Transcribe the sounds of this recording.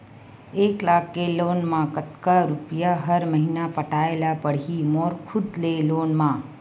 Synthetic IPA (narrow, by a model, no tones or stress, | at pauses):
eklakʰːelonmãkət̪kaɾupjaɦəɾməɦinapəʈaelapəɽ̤imoɾkʰud̪lelonmã